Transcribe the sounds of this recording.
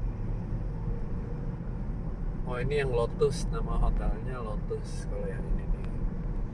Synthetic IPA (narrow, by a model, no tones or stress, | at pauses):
mɔinijaŋlɔt̪ʊsnamaʔɔt̪alɲalɔt̪ʊskalejaninini